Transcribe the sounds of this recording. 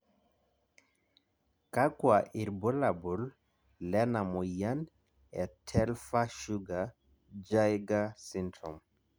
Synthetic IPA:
ka˦kwaʔi˨ɾbo˦la˨bu˨l | lɛ˦na˨mu˨ja˦n | ɛtʰɛ˦lfa˦ʃu˦ɡa | d͡ʒajɡasintɾɔ˨m

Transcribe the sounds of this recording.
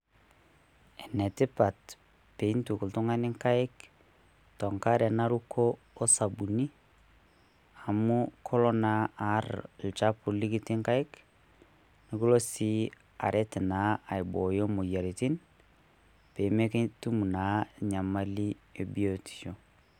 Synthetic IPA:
e˨ne˨ti˦pa˨t | pe˨i˦ntu˨ku˨ltu˦ŋa˦ni˦ŋka˦i˦k | to˨ŋkaɾe˨na˦ɾu˦kʰoː˦ | sa˨bu˨ni˦ | a˨mukʰo˦lo˦naaɾlt͡ʃapu˨li˦ki˦ti˦ŋka˦i˦k | ni˨ku˦lo˦si˦ | a̰˨ɾʔe˦ti˨na˦a˨i˨bo˨jo˦mu˨ja˨ɾi˨ti˦n | pe˨me˦kitu˦mu˨na˨˦ɲa˨ma˦li˦e˨bi˦oti̥˨ʃo

